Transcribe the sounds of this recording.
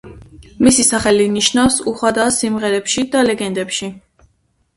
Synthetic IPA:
misisaχɛliniʃnafsuχwad̪aːsimʁɛɾɛpʃid̪alɛɡɛnd̪ɛpʃi

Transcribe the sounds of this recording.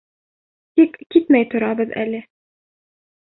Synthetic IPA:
t̪ikkit̪mæjt̪ŏɾɑbɤðæ̰lɘ

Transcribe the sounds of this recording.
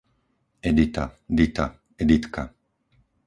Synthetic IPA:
ed̪it̪ad̪it̪a | ed̪it̪kʰa

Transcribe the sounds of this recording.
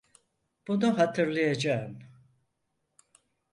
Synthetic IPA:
b̥unuɦat̪ʰɯɾlˠɯjad͡ʒaɯm

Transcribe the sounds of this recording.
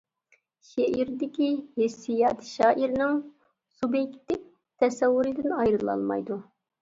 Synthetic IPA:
ʃeʔiɾd̪ɪkʲihesijɑːt̪ʰʃɑːʔiɾɪnɪŋ | subjɛkʲt̪ːɪk̚ʲ | t̪ʰɛsɛwːuɾɪd̪ɪnɑjɾɨlˠɑ̰lˠmɑ̰jd̪u

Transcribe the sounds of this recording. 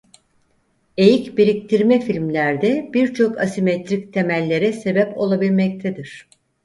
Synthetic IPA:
e̞jicbiɾict̪ʰiɾmɛfilʲmlʲæɾd̪ɛb̥iɾt͡ʃʰo̞kasimet̪ɾic̚t̪ʰe̞mælʲːe̞ɾɛse̞bɛpo̞̰lˠabilʲmɛc̚t̪ʰɛd̪iɾ̝̥

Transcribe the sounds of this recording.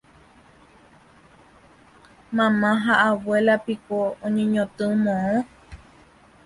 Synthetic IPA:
mãmãɦaʔawelapikoõɲõɲõt̪ɨmõõ

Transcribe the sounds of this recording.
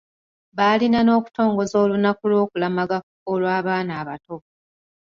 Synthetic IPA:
βaːlinano̞ːku̥to̞ːŋɡo̞zo̞ːlunakulwo̞ːkulamaɡakukolwaːβaːnaːβato̞

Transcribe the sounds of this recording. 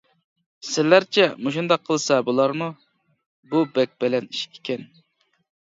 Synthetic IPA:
sɪlːæɾt͡ʃʰɛmoʃund̪ɑqʰːəlˠsɑbulˠɑɾmu | bubɛk̚ʲbɪlɛniʃi̥kʲʰːe̥kʲɛn

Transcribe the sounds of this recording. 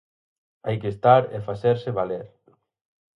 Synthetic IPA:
ajkest̪aɾefaθeɾseβaleɾ

